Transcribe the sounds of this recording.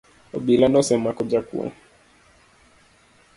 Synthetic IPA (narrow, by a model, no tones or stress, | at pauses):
ɔ̰bilanɔsɛmakɔd͡ʒakṵa̰